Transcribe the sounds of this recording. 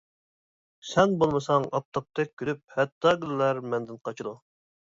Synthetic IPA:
sɛnbolˠmɨsɑŋɑp̚t̪ʰɑp̚t̪ʰɛk̚ʲkʲʰːyɾyp̚hɛt̪ːɑɡʲylːæɾmɛnd̪ɪnqʰɑt͡ʃʰɨd̪u

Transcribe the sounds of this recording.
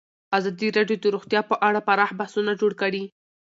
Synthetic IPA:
azɑd̪iɾɑɖjod̪əɾoxt̪jɑpəʔaɽapaɾɑhbahsunad͡ʒoɽkəɽi

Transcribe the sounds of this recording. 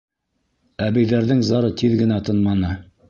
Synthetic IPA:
æβɘ̆jðæɾðɘŋzɑɾɤt̪iðɡɘ̆næt̪ɤ̆nmɑnɤ

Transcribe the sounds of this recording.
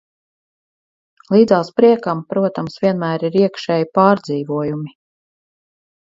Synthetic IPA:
lˠiːd̪zaːspɾiɛkampɾuɔt̪amsvʲiɛnmæːɾiɾiɛkʃɛjipɑːɾd̪ziːvuɔjumi

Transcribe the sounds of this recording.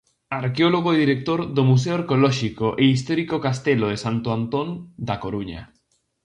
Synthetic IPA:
aɾkeoloɣ̞oðiɾek̚t̪oɾðomus̬eoaɾkeolɔʃikoʔeis̬t̪ɔɾikokast̪eloðesant̪oant̪ond̪akoɾuɲa̰

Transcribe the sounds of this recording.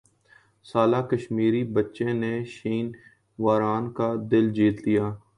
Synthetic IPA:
saːlaːkəʃmiːɾibətːʃẽneʃiːn | ʋaːɾaːnkad̪ɪld͡ʒiːt̪lijaː

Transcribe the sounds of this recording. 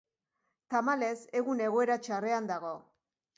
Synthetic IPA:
t̪amale̞se̞ɣune̞ɣ̞o̞e̞ɾat͡ʃare̞and̪aɣ̞o̞

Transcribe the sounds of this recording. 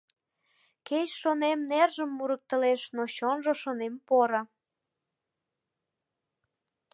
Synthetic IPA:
ket͡ɕʃonemnerʒəmːuɾək̚t̪ə̆leʃnoɕonʒoʃonempoɾa

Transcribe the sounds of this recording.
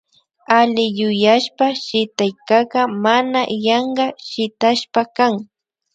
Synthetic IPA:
alɪjʊjaʃpaʃɪt̪ajkɑɢɑmanajɑɴɢɑʃɪt̪aʃpakaŋ

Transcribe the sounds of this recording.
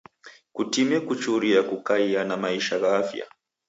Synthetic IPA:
kutimɛkut͡ʃuɾiakukaianamaiʃaɣaafja̰

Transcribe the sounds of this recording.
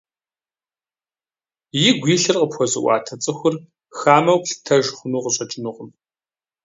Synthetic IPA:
jɪɡʷiːɬɨrqəpxʷɔzɨ̰ʔʷɑ̰ːtʰɐt͡sʼɨxʷʊr | xaːmɐwɬtʰɐʒχʷʊnuːqəɕʼɐt͡ʃʼɪnɨʁəm

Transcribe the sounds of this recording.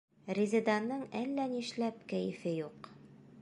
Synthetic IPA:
rʲizʲɪd̪ɑnːɤɴælːæniʃlæp̚kæjɘ̆fɘjuq

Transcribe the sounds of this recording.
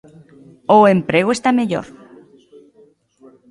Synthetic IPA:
oempɾeɣ̞oest̪ameʎo̰ɾ

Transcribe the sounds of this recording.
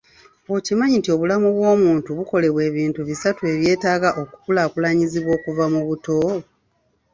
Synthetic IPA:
ocimaɲintio̞βulamuβwo̞ːmuːntuβuko̞le̞βwe̞ːβiːntuβisatue̞βje̞ːtaːɡaʔo̞ku̥kulaːkulaɲiziβwo̞ːkuvamuβuto̞

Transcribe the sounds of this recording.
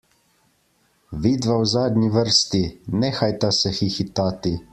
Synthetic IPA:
ʋiːd̪ʋawzaːd̪ɲiʋəɾst̪inɛːxajt̪asɛxixit̪aːt̪i

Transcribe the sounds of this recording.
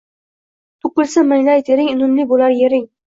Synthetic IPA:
t̪ʰʊkʊlsɪmɪŋlajt̪ʰeɾɪŋɪnʊmlɪbolaɾjeɾɪŋ

